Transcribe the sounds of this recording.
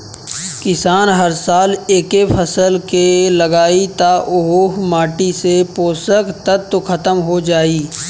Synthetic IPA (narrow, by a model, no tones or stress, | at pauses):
kɪsaːnɦɐɾsaːleːkepʰɐsəlkelɐɡaːit̪aʔʊɦoːɦmaːʈisepoːsəkt̪ət̪ːkʰɐt̪əmɦod͡ʒaːiː